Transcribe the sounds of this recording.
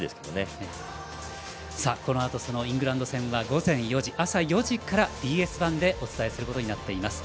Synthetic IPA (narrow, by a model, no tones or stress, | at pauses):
d̪esɨ̥ked̪one | sako̞no̞at̪o̞so̞no̞ĩŋɡɯ̟ɾãnd̪o̞sẽ̞ɰ̃βaɡo̞zẽ̞ɰ̃jo̞ʑiʔasajo̞ʑikaɾad̪̥ʲiːe̞sɨbãnd̪e̞ʔo̞t͡sɨ̥t̪aesɨɾɯ̟kot̪o̞ɲ̟inat̪ːe̞imasɨ̥